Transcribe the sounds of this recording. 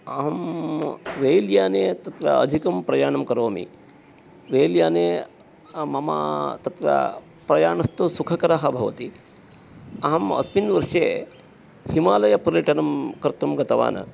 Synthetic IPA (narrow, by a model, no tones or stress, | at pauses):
ɐɦɐm | ʋeːljaːneːt̪ɐt̪ɾɐ̰ɐ̰d̪ʱikɐmpɾɐjaːɳɐmkɐɾoːmḭ | ʋeːljaːneː | mɐma̰t̪ɐt̪ɾɐ̰ | pɾɐjaːɳɐst̪usukʰɐkɐɾɐɦɐbʱɐʋɐ̰t̪i | ɐɦɐmɐ̰spinʋɐɾʂeː | himaːlɐjɐpɐɾjɐʈɐnɐmkɐɾt̪ɐmɡɐt̪ɐʋa̰ːnʔɐ̰